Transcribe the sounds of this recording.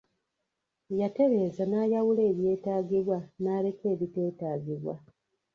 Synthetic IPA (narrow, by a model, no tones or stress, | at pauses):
jate̞βe̞ːzanaːjawule̞ːβje̞ːtaːɡiβwanaːle̞ke̞ːβite̞ːtaːɡiβwa̰